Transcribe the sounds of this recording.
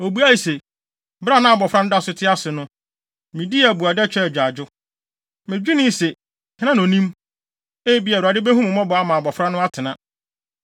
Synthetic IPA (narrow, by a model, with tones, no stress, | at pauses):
o˨bu˦a˦ji˨se˨ | bɾa˦˨nã˦a˨bɔ˨fɾã˦nʊ̃˦da˦˨sʊ˨˦tʰɪ˦a˦sɪ˨nʊ̃˦ | mĩ˨di˦˨bu˨a˨dɛ˦t͡ɕᶣɛ˦˨d͡ʑᶣa˨d͡ʑʊ˦ | mɪ̃˨d͡ʑᶣi˦nɪ̃˦se˨ | hɪ̃˦nã˦nõ˨nĩ˦m | e˦bi˦a˨a˨dɪ˦be˦ɦũ˦mʊ̃˨mɔ̃˦bɔ˨a˦mã˨bɔ˨fɾa˦nʊ̃˦a˦tʰɪ˨nã˦˨